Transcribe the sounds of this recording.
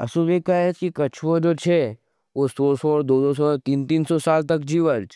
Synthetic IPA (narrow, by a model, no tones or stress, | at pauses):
ə̰subekajətkikɐt͡ʃʰʋod͡ʒot͡ʃʰe | osoɾsɔɾd̪od̪osɔt̪iːnt̪iːnsɔsaːlt̪əkd͡ʒiʋəɾt͡ʃʰ